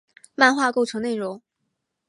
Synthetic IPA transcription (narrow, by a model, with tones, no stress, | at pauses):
ma˥˧nxwa˥˧ko˥˩ʊʈ͡ʂʰɤ˧˥ŋne˥˩ɪɻʊ˧˥˦ŋ